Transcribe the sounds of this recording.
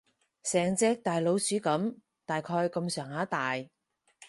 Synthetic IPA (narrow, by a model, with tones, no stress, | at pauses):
sɛː˨˩ŋt͡sɛː˧k̚t̪aː˨jlo˨˧wsyː˨˥kɐ˨˥m | t̪aː˨jkʰɔː˧jkɐ˧msœː˨˩ŋhaː˨˥t̪aː˨j